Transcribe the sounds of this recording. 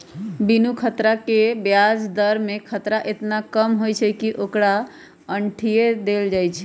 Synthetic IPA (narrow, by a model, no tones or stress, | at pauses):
binukʰət̪ɾakebjad͡ʒd̪əɾmekʰət̪ɾaʔet̪nakəmɦojt͡ʃʰɛkiʔokɾa | əɳʈʰijed̪eld͡ʒajt͡ʃʰɛ